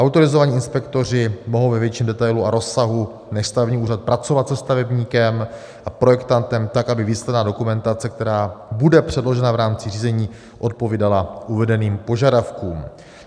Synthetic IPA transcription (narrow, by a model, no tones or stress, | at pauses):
ʔawt̪o̞ɾɪzo̞vaɲiːɪnspɛkt̪o̞r̝ɪmo̞ɦowvɛvjɛt͡ʃiːmdɛt̪ajluaɾo̞sːaɦu | nɛʃst̪avɛbɲiːʔuːrat̪̚pɾat͡so̞vat̪sɛst̪avɛbɲiːkɛm | ʔapɾo̞jɛkt̪ant̪ɛmt̪akʔabɪviːslɛdnaːdo̞kumɛnt̪at͡sɛk̚t̪ɛɾaːbudɛpr̥ɛdlo̞ʒɛnavɾaːmt͡sɪriːzɛɲiː | ʔo̞t̪̚po̞viːdalaʔuvɛdɛniːmpo̞ʒadafkuːm